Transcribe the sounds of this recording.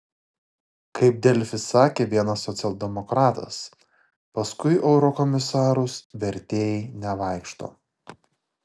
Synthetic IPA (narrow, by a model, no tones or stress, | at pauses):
kʰɐɪp̚d̪ʲɛlʲfʲɪsɑːkʲeːʋʲiɛnɐsːɔt̪sʲɛlˠʲd̪ʲɛmɔkɾɑːt̪ɐ̰s | pɐskʊɪʔɛʊɾɔkɔmʲɪsɑːɾʊsʋʲɛɾʲt̪ʲeːjinʲɛʋɑˑɪkʃt̪o̰ː